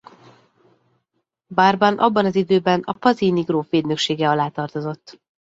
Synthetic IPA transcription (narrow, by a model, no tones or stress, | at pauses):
barbɒnʔɒbːɒnɒzid̪øːbɛnɒ̰pɒziːniɡroːfʋeːd̪nøkʃeːɡɛɒlaːt̪ɒrt̪o̞zo̞t̪ː